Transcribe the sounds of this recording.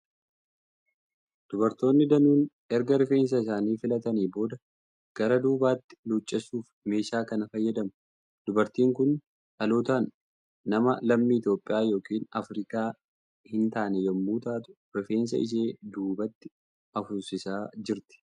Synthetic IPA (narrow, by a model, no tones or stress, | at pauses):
d̪̥ʊbɐɾt̪o̞ːnːɪd̪ɐnuːn | ɛɾɡɐɾɪfe̞ːns̬ɐɪsaːniːfɪlɐt̪ɐniːbo̞ːd̪ɐ | ɡ̥ɐɾɐd̪uːbaːt̪ːɪ̥luːt͡ʃʼːɐsuːf | me̞ːʃaːkɐnɐfɐjːɐd̪ɐmʊ | d̪ʊbɐɾt̪iːŋkʊn | ᶑɐloːt̪aːnː | ɐmɐlɐmːiːɪt̪jo̞ːpʼːɪjaːjo̞ːkiːnɐfɾiːkaː | hɪnt̪aːnɛjɐmːuːt̪aːt̪ʊ̥ | ɾɪfe̞ːns̬ɐ̰ɪ̰ʃ̬eːd̪uːbɐt̪ːɪ̥ | ɐfʊɾsɪsaːd͡ʒɪɾt̪ɪ̥